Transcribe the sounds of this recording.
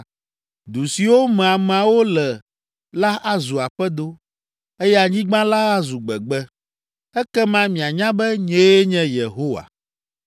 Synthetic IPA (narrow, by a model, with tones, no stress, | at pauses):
d̪u˨si˨wo˦mɛ̃˨a˨m˨a˨wo˦lɛ˨ | la˦ʔa˦zu˨a˨ɸɛ˦d̪o˦ | ɛ˦jɛ˦a˨ɲĩ˦ɡ͡bã˦la˦a˦zu˨ɡ͡bɛ˨ɡ͡bɛ˦ | ɛ˦kɛ˦mã˦mĩ˨a˨ɲã˦bɛ˦ɲẽ˦je˦ɲɛ̃˦je˨ɦo˦wa̰˨